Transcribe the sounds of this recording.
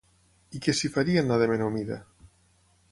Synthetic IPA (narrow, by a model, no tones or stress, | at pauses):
ikesifaɾianaðemenomiða̰